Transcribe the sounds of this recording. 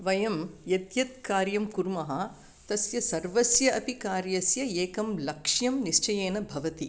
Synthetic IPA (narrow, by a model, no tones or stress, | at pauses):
ʋɐjɐmjɐt̪jɐt̪̚kaːɾjɐmkuɾmɐɦɐ | t̪ɐsjɐsɐɾʋɐsjɐʔɐpikaːɾjɐsjɐeːkɐmlɐkʂjɐmniʂt͡ʃɐjeːnɐbʱɐʋɐt̪i